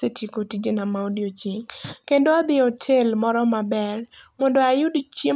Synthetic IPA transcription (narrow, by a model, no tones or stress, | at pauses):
etʰikotid͡ʒenamaodiot͡ʃiŋkendoad̪ɪotʰelmɔɾɔmabɛrmɔndoajʊdt͡ʃe